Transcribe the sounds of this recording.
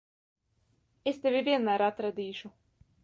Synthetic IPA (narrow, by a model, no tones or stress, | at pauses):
est̪evʲivʲiɛnmæɾat̪ɾad̪ʲiːʃu